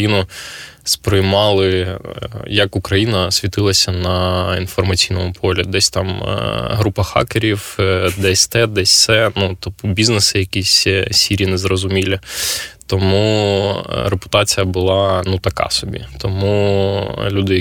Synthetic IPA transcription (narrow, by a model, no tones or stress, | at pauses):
inʊ | spɾɪjmɑlˠɪ | jɐkʊkɾɐjinɐsʲʋʲit̪ɪlˠɐsʲɐnɐinfɔrmɐt͡sʲijnɔmʊpʰɔlʲid̪ɛsʲt̪ɑm̰ɦɾupɐxɑ̰keɾʲiwd̪ɛsʲt̪ɛd̪ɛsʲsɛnut̪ɔpʊbʲiznesɪjɐkʲisʲsʲiɾʲinɛzrɔzʊmʲilʲit̪ɔmu | ɾepʊ̥t̪ɑt͡sʲijɐbʊlˠɑnut̪ɐkɑ̰sɔbʲḭt̪ɔmu | lʲud̪ɪ